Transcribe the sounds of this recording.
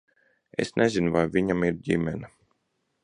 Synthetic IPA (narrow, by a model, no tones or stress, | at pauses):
ḛsnɛzinuvajviɲamiɾɟimʲɛna